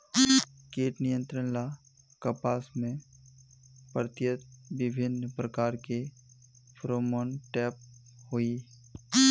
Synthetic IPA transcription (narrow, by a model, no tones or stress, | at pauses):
keːʈnijə̃nt̪ɾənla | kəpaːsmẽ | pəɾt̪jət̪̚bɪbʱɪnpɾəkaːɾke | pʰɾoːmonʈɛːp̚ | hoːi